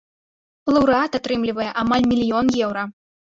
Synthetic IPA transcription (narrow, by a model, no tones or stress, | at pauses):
lˠɐwɾat̪at̪ɾɨmlʲivɐjɛʔamalʲmʲilʲijɔnjɛwɾɐ